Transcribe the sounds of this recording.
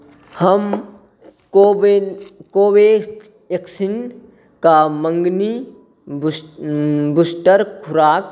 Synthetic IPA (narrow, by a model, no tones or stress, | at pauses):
hɐm | obekobe | eksin | kamɐŋɡni | busʈəɾkʰuɾaːk̚